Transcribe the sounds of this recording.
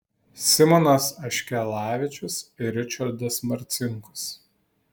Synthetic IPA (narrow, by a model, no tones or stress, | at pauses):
sʲɪmɔnɐsɐʃʲkʲɛlˠɑːʋʲɪt͡ʃʲʊsɪɾʲɪt͡ʃʲɐɾd̪ɐsmɐɾʲt̪sʲɪŋkʊ̥s